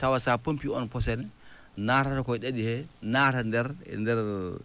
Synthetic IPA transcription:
tawasapompiɔnpɔs̬ɛn | naːtatɔkɔjɗeɗihɛnatandɛɾɛ̰ndɛɾ

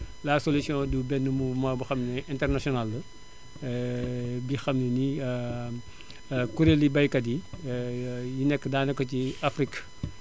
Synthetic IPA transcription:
lasolisjɔ̃dubɛnːəmubmaːbɐxɐmnʔɛntɛrnasiɔnalːə | bixɐmnəni | kuɾelibɐjkɐdi | jinɛkːədaːnɛkːɔciafrik

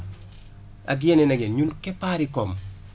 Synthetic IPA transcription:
a̰ɡienɛnaɡenɲunkɛpaɾikɔm

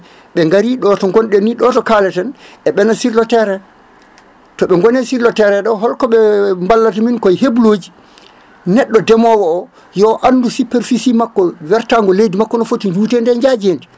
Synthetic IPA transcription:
ɓɛŋɡaɾiɗɔtɔŋɡɔnɗɛniɗɔtɔkaːlɛtɛnʔɛɓɛnasiɾlɔtɛɾɛ | tɔɓɛŋɡɔnɛsiɾlɔtɛɾɛɗɔɦɔlkɔɓɛmbalːataminkɔjhebloːd͡ʒi | nɛɗːɔdɛmɔwɔɔ | jɔʔanːdusupɛɾfisimakːɔwɛɾtaŋɡɔlejdimakːɔnɔfotiɲd͡ʒuːtɛndɛɲd͡ʒad͡ʒendi

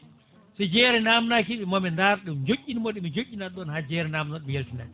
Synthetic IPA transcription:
sad͡ʒɛːɾɛnamnakiɓɛmɔmɛndaɾɗɛmd͡ʒokːinmɔɗimid͡ʒocːinaɗɔnhad͡ʒɛːɾɛnaːmnɔɗmjeltina̰

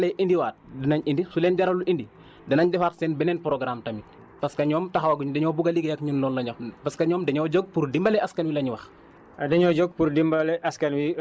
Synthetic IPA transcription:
lɛʔindiwaːt̚dinɐɲindisulɛːnɟaɾɐluʔindi | dɐnɐɲdɛfatsɛnbɛnɛːnpɾoɡɾamtɐmi | pɐskɐɲɔːmtɐxawɐɡuɲudɛɲɔːbuɡaliɡɐjɐkɲundɔːlːɐɲopɐskɐɲɔːmdɐɲɔːɟɔɡ̚puɾdimbɐlɛaskɐnwilɐɲwɐx | dɐɲɔːɟɔɡ̚puɾdimbalɛʔɐskɐnwi

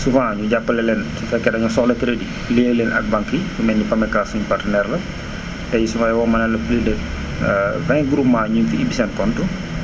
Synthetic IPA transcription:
sufãːɲuɟapːəlɛlɛnsufɛkːɛdɐɲɔsɔxlɛtɾedi | leːlɛnɐ̰k̚baŋkːijumɛnːipɐmɛkasuɲupartənɛɾlɐ | tɛjisufaːjɛwɔmɐnɛlɐplidɛ | vɛ̃ɡɾumaːɲunfiibisɛnkɔntu

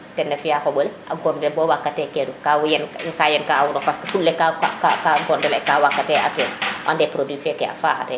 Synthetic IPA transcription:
tɛndɛfijaxɔbɔlɛʔa̰ɡɔndɛbɔwakːatːɛkɛdukawjɛnkajɛnkaawunɔpaskɐfulːɛkaakakaɡɔndɛlɛkaːwakːatɛʔa̰kɛduʔa̰ndɛpɾodiːfɛkɛa̰faːxa̰tɛ

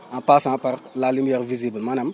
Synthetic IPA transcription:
ãpasãpaɾlalimijɛɾvizibəmanam

